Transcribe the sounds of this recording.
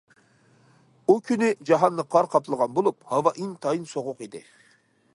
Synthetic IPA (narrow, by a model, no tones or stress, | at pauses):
ukʲʰynɪd͡ʒɑɦɑnːɨqʰɑɾqʰɑplˠəʁɑnbolˠup̚hɑvɑʔint̪ʰɑjinsoʁʊqid̪ɪ